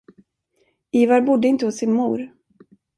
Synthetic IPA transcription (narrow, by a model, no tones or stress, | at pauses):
iːvaɾbʊd̪ːəɪnt̪əhʊsːɪnmuːɾ